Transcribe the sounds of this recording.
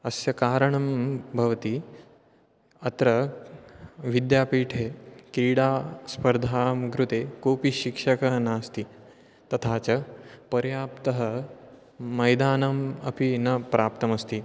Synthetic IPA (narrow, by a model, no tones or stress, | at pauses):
ɐsjɐkaːɾɐɳɐmbʱɐʋt̪i | ɐt̪ɾɐ | ʋid̪jaːpiːʈʰekɾiːɽaːspɐɾd̪ʱaːmɡɾut̪eːkoːpiɕikʂɐkɐɦnaːst̪i | t̪ɐt̪ʰaːt͡ɕɐpɐɾjaːpt̪ɐɦɐ | mɐjd̪aːnɐmɐ̰pinɐpɾaːp̚t̪ɐmɐst̪i